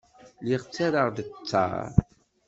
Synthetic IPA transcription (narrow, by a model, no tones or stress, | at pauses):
liʁt͡sːaɾaʁðət͡sːa̰